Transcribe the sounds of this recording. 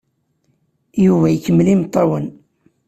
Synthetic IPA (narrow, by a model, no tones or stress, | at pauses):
juvæjkːəmːlimt̪ˤːəɾwən